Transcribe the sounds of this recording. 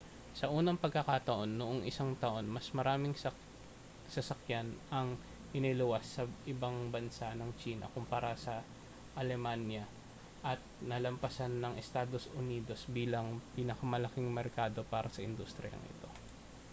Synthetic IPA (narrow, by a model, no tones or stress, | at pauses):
sɐʔuːnɐŋpɐɡ̚kɐkat̪ɐʔo̞nːoʔoŋɪsaŋt̪ɐʔo̞nmɐsmɐɾaːmɪŋ | sɐsɐkjanʔɐŋ | ʔɪnɪlʊwasːɐʔɪbaŋbɐnsanɐŋt͡ʃiːnɐ̰kʊmpɐɾasɐ | ʔɐlɛmanjɐ | ʔɐt̪̚nɐlɐmpɐsanːɐŋʔɛst̪aːd̪o̞sʔʊniːd̪o̞sbiːlɐŋpiːnɐkɐmɐlɐkɪŋmɛɾkaːd̪o̞paːɾɐsɐʔɪnd̪ust̪ɾɪjɐ̰ŋʔɪ̰t̪o̞